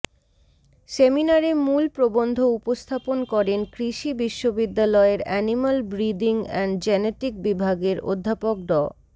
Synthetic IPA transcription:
seminaɾemulpɾobond̪ʱoupost̪ʰaponkɔɾenkɾiʃibiʃːobid̪ːalɔeɾɛnimalbɾid̪iŋɛnd͡ʑɛneʈik̚bibʱaɡeɾo̰d̪ʱːapok̚ɖɔ

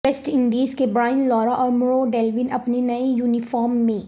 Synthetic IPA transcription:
esʈɪ̃ɳɖiːzkebɾaːɪnlɔːɾaʔɔːɾmɾoːɖɛːlʋɪnɐpnenɐijuːnɪfɔːɾmːẽː

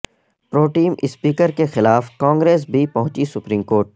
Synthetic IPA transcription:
pɾoːʈiːmʔɪspiːkəɾkexɪlaːfkãːŋɡɾeːs̬bʱipɐɦʊ̃t͡ʃisʊpɾiːmkoːɾʈ̚

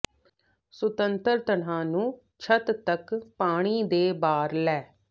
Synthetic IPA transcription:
sʊt̪ənt̪əɾt̪əɳãːnũː | t͡ʃʰət̪t̪əkpaːɽ̃iːd̪eːbaːɾlɛː

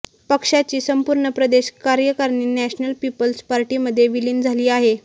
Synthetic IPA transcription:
pəkʂat͡ɕiːsəmpuɾɳəpɾəd̪eɕkaɾjəkaɾɳiːnæɕnəlpipəlspaɾʈiːməd̪ʱːjeʋiliːnd͡zʱaliːaɦe

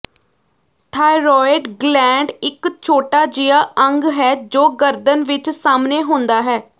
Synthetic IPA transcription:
ʈʰaːɪɾɔːɪɖɡlɛ̃ːɳɖɪkt͡ʃʰoːʈaːd͡ʒɪjaːʔəŋɡɦɛːd͡ʒoːɡəɾd̪ənʋɪt͡ʃsaːmneːɦõːnd̪aːɦɛː

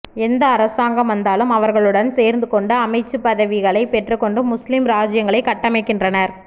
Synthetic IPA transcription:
ɛnd̪ɐːɾɐsaːŋɡɐmʋɐnd̪aːlɯmɐʋɐɾɣɐɭɯɽɐnseːɾnd̪ɯkɔɳɖɯɐmɐɪt͡ʃːɯpɐðɐʋɪɣɐɭɐɪpɛʈrɯkːɔɳɖɯmːʊslɪmɾaːd͡ʒɪjɐŋɡɐɭɐɪkːɐʈːɐmɐɪkːɪndrɐnɐɾ

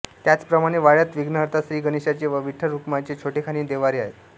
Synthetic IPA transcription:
t̪jat͡spɾəmaɽ̃eʋaɭjat̪ʋiɡnəɦəɾt̪ʰasɾiːɡəniɕat͡ɕeʋəʋiʈʰːəɾukmat͡ɕet͡ɕʰoʈʰekʰaɽ̃iːd̪eʋaɾeaɦe

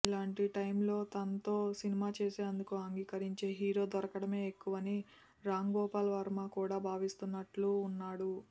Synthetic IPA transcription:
ilaːɳʈiʈɐjmlo̞ːt̪ɐnɐt̪o̞ːsinimaːt͡ʃe̞ːseːɐnd̪ukuɐŋɡiːkɐɾiɲt͡ʃe̞ːɦiːɾo̞ːd̪ɔɾɐkɐɽɐme̞ːekːuʋɐni | ɾaːŋɡɔːpaːlɐʋɐɾmaːkuːɽaːbʱaːʋist̪unːɐʈluːnːaːɽu

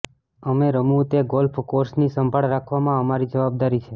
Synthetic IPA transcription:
əmeɾəmut̪eɡolfʰkoɾsnisəmbʱaɭɾakʰʋamãəmaɾid͡ʒəʋab̚d̪aɾit͡ʃʰe

